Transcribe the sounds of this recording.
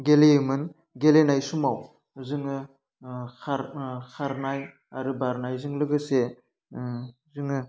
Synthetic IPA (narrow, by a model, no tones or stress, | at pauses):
ɡelemɯn | ɡelenajsumaw | zɯŋɯ | kʰaɾkʰaɾnaj | aɾɯbaɾnajzɯŋlɯɡɯse | zɯŋɯ